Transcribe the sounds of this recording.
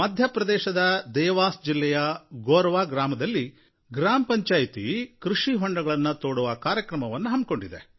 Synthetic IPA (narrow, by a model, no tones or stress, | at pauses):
mɐd̪ʱjɐpɾɐd̪ɛːʃɐd̪ɐd̪ɛːʋaːsd͡ʒilːɛjɐɡoːɾɐʋaːɡɾaːmɐd̪ɐlːi | ɡɾaːmɐpɐɲt͡ʃaːjit̪ḭkɾuʂiɦɔɳɖɐɡɐɭɐnːɐt̪oːɽuʋɐkaːɾjɐkɾɐmɐʋɐnːuɦɐmb̚ko̞ɳɖid̪e̞̰